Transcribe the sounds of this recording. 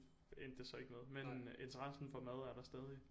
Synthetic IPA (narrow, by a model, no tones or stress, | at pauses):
en̰d̥esɒ̽e̝ɡ̥əmeð̞ˠmene̝nt͡sʰəɐʁasn̩fɒ̽mæð̞ˠæɐɾ̥ɑ̈sd̥ɛːðˠi